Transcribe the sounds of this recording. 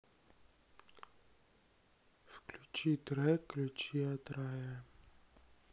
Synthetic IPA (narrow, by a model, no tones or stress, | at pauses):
fklʲut͡ʃit̪ɾɛklʲut͡ʃiat̪ɾajɛ